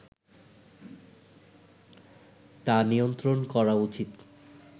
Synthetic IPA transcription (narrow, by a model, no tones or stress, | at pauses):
t̪anijont̪ɾonkɔɾaut͡ɕit̪